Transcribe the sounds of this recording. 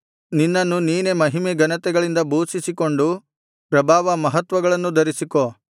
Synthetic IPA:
ninːɐnːuniːne̞mɐɦimeɡɐnɐt̪ɛɡɐɭind̪ɐbuːsisiko̞ɳɖu | pɾɐbʱaːʋɐmɐɦɐt̪ʋɐɡɐɭɐnːud̪ɐɾisiko

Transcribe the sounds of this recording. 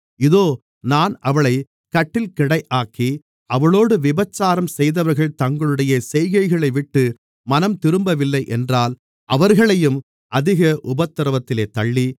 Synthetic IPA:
ɪðoː | naːnɐʋɐɭɐɪ | kɐʈːɪlkɪɽɐɪʔaːkːi | ɐʋɐɭoːɽɯʋɪbɐt͡ʃːaːɾɐmsɛjðɐʋɐɾɣɐɭt̪ɐŋɡɐɭɯɽɐjɐsɛjɣɐɪɣɐɭɐɪʋɪʈːɯ | mɐnɐmt̪ɪɾɯmbɐʋɪlːɐɪʔɛndraːl | ʔɐʋɐɾɣɐɭɐjɯm | ʔɐðɪɣɐʔʊbɐt̪ːɐɾɐʋɐt̪ːɪleːt̪ɐɭːi

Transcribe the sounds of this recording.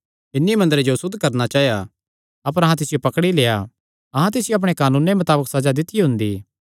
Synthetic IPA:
ɪnːimɐ̃nd̪əɾed͡ʒosʊd̪ʱːkɐɾnat͡ʃaːɦja | ɐpəɾɐɦãt̪̬ɪsɪjopɐkɽileːja | ɐɦãt̪̬ɪsɪjoɐp̬ɽ̃ekaːnũːnemʊt̪aːbəksɐd͡ʒad̪ɪt̪ːiɦʊ̃nd̪ḭː

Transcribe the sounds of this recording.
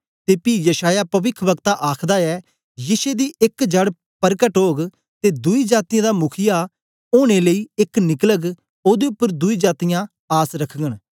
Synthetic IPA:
t̪eːpiːjəʃaːjaːpəʋɪkʰʋəɡ̚t̪aːʔaːkʰd̪aːɛː | jɪseːd̪iːʔɪkd͡ʒəɽ | pəɾkəʈɦoːɡ | t̪eːd̪uiːd͡ʒaːt̪ɪjãːd̪aːmʊkʰɪjaː | oːɽ̃eːləiːɪknɪkləɡ | oːd̪eːʊpːəɾd̪ʊiːd͡ʒaːt̪ɪjãː | aːsɾəkʰɡəɳ

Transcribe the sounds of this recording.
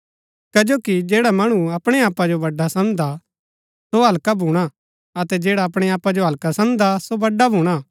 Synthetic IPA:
kɐd͡ʒoːkid͡ʒeːɽamɐɽ̃ũɐpɽ̃ɛaːpːad͡ʒobɐɖːasɐ̃nd̪a | soɦɐlkabʱũːɽ̃a | ɐt̪ɛd͡ʒeːɽaɐpɽ̃ɛaːpːad͡ʒoɦɐlkasɐ̃md̪asobɐɖːabʱũːɽ̃a

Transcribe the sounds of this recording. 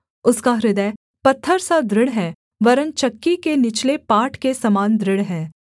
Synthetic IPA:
ʊskaɾɪd̪əj | pɐt̪ʰːəɾsad̪ɾɪɽɦɛː | ʋɐɾə̃nt͡ʃɐkːikenɪt͡ʃlepaːʈʰkesɐmaːnd̪ɾɪɽɦɛː

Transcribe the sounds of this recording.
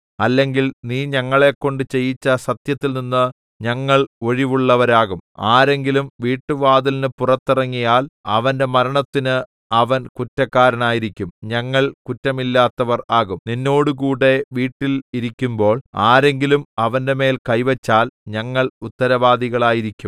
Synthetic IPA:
ɐlːe̞ŋɡilniːɲɐŋːɐɭe̞kːo̞ɳɖɨt͡ɕe̞jːit͡ɕːɐsɐt̪jɐt̪ːilninːɨ | ɲɐŋːɐɭo̞ɻiʋuɭːɐʋɐɾaːɣumaːɾe̞ŋɡilumʋiːʈːɨʋaːd̪ilnɨpurɐt̪ːirɐŋːijaːlɐʋɐnde̞mɐɾɐɳɐt̪ːinɨ | ɐʋɐnkutːɐkːaːɾɐnaːjiɾikʲːumɲɐŋːɐɭkutːɐmilːaːt̪ːɐʋɐraːɣumninːo̞ːɽukuːɽe̞ʋiːʈːiliɾikʲːumbo̞ːɭaːɾe̞ŋɡilumɐʋɐnde̞me̞ːlkɐjʋet͡ɕːaːlɲɐŋːɐɭut̪ːɐɾɐʋaːd̪iɣɐɭaːjiɾikʲːum

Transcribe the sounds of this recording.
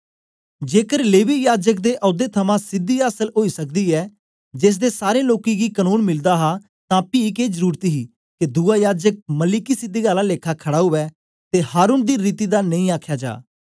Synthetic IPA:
d͡ʒeːkəɾleːʋiːjaːd͡ʒək̚d̪eːʔɔːd̪eːt̪ʰəmãːsɪd̪iːaːsəlɦoːiːsəkd̪iːɛː | d͡ʒɪs̬d̪eːsaːɾẽːloːkiːɡiːkənuːnmɪld̪aːɦaː | t̪ãːpiːɪkeːzəɾuːɾt̪iɦiː | ked̪uːaːjaːd͡ʒək̚məlikiːsɪd̪iːɡaːlãːleːkʰaːkʰəɽaːɦʊʋɛː | t̪eːhaːɾuːnd̪iːɾiːt̪iːd̪aːnə̃ĩːaːkʰjaːd͡ʒa̰ː

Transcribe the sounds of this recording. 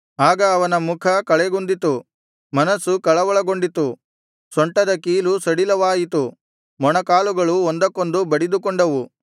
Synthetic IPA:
aːɡɐːʋɐnɐmukʰɐkɐɭɛɡund̪it̪u | mɐnɐsukɐɭɐʋɔɭɐɡo̞ɳɖit̪u | sɔɳʈɐd̪ɐkiːlusɐɽilɐʋaːjit̪u | mɔɳɐkaːluɡɐɭuond̪ɐkːo̞nd̪ubɐɽid̪ukɔɳɖɐʋu

